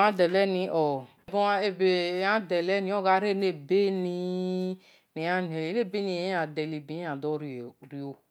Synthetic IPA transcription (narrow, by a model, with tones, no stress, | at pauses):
ã˦dɛ˨lɛ˦nĩ˨˦ʔɔ˨bõ˦a˦e˨be˨ã˦dɛ˨lɛ˦nĩ˨˦ɔ˦˨ɡa˨˦ɾe˦ne˦˨be˦ni˦ | ne˨a˦n˨e˨e˨le˦˨be˦ni˨˦a˨dɛ˨li˨bi˨˦ã˨dɔ˦ɾɾi˨o˨